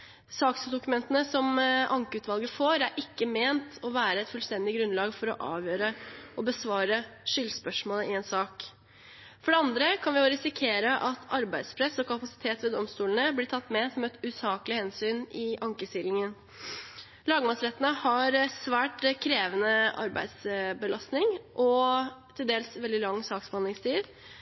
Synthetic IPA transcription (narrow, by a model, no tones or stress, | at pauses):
sɑːksd̪ʊkʉmɛnt̪ənəsɔmʔɑŋkəʉːt̪ʋɑlˠɡəfoːɾæɾʔɪkːəmeːnt̪ʰɔʋæːɾəɛt̪fʉlst̪ɛnd̪ɪɡɾʉnlɑːɡfɔɾɔʔɑːʋjøːɾəʔɔbəsʋɑːɾəʂʏlspœʂmoːləɪɛːnsɑːk | fɔɖɛɑnd̪ɾəkʰɑnʋɪʊɾɪsɪkʰeːɾəʔɑt̪ʰɑɾbæɪd̪spʰɾɛsɔkʰɑpɑsɪ̥t̪ʰeːt̪ʋɛd̪ɔmst̪uːlənəblɪtʰɑt̪ːmɛsɔmɛt̪ʉsɑːkəlɪhɛnsyːnɪʔɑŋkəst̪ɪlɪŋən | lɑːɡəmɑsɾɛt̪ːənəhɑɾsʋæːʈkʰɾeːʋənəʔɑ̰ɾbæ̰ɪd̪sbəlɑst̪nɪŋʔɔt̪ʰɪld̪eːlsʋɛld̪ɪlɑŋːsɑːksbhɑnlɪŋst̪ʰiːd̪